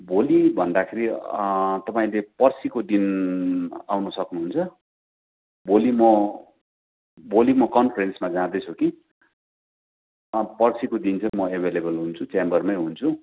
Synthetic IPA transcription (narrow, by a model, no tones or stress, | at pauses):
bolibʱʌnd̪akʰeɾi | t̪ʌpaĩlepʌrsikod̪in | awnusʌknuɦunt͡sʰʌ | bolimʌ | bolimʌkʌnpʰrensmad͡zãd̪ʌt͡sʰuki | pʌrsikod̪int͡sʰʌmʌebʱelebʌlɦunt͡sʰut͡sembʌrmʌjɦunt͡sʰu